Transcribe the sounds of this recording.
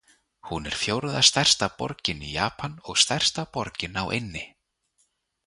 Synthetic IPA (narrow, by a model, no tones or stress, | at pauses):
hunɛɾ̥fjowɾðast̪ajr̥st̪apɔ̰ɾcɪnijaːpʰanɔɣst̪ar̥st̪apɔɾcɪnawʔejnːɪ